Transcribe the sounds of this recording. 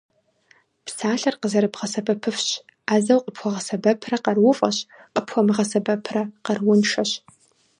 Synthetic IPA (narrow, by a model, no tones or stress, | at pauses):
psaːɬɐrqəzɐɾɨpʁɐsɐpʰɐpʰɨfɕ | aːzɐwqʼəpʰxʷɐʁɐsɐbɐpʰrɐqɐrwʊfʼɐ̰ɕ | qʼəpʰxʷɔmɨʁɐsɐbɐpʰrɐqɐrwʊnʃɐɕ